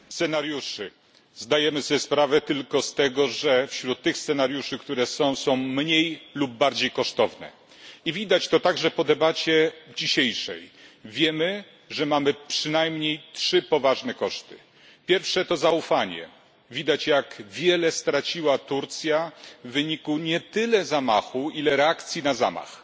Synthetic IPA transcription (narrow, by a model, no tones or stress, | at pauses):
st̪sɛnaɾjuʂɘ | zd̪ajɛmɘsɔspɾavɛt̪ɘlkɔst̪ɛɡɔʐɛfɕɾut̪ːɘxst̪sɛnaɾjuʂɘkt̪uɾɛsɔ̃w̃sɔ̃w̃mɲejlubːaɾd͡ʑejkɔʂt̪ɔvnɛ̰ | ivʲid̪at͡ɕt̪ɔt̪aɡʐɛpɔd̪ɛbat͡ɕɛd͡ʑiɕejʂɛ̰jvʲjɛmɘ | ʐɛmamɘpʂɘnajmɲejtʂɘpɔvaʐnɛkɔʂt̪ɘ̥ | pʲjɛɾfʂɛt̪ɔzaufaɲɛ̰ | vʲid̪at͡ɕjakvʲjɛlɛst̪ɾat͡ɕiwat̪uɾt̪sʲjavːɘɲikuɲɛt̪ɘlɛzamaxuilɛɾɛakt̪sʲjinaza̰ma̰x